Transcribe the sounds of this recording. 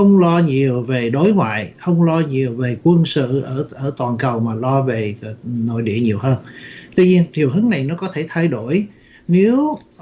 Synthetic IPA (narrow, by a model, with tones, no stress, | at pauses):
ə˧wŋ͡mlɔ˧ɲi˨˩əwve˨˩ɗo˨˦jŋwa̰ː˧˨jxə˧wŋ͡mlɔ˧ɲi˨˩əwve˨˩kwə˧nsɨ̰˧˨ʔəː˧˩ʔəː˧˩t̪waː˨˩nkə˨˩wmaː˨˩lɔ˧ve˨˩˨no̰˧˨jɗḭ˧˨əɲi˨˩əwɦəː˧nt̪wi˧ɲi˧ənt̪ʰi˨˩əwɦɨ˨˦ŋna˨˩jnɔ˨˦kɔ˨˦t̪ʰe˧˩t̪ʰa˧jɗo˧˩j | ne˨˦w